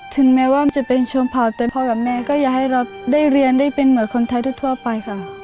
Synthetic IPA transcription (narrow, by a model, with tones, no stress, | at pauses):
t̪ʰɯ˩˦ŋmɛː˦˥waː˥˩˧t͡ɕa˨˩pe˧nt͡ɕʰo˧mpʰa˨˩wt̪ɛː˨˩pʰɔː˧ka˨˩p̚mɛː˥˩kɔː˥˩jaː˨˩k̚ha˥˩jɾa˧wdaː˥˩jɾi˧əndaː˥˩jpe˧nmɯ˩˦nkʰo˧nt̪ʰa˧jt̪ʰuː˥˩t̪ʰu˥˩əpa˧jkʰa˥˩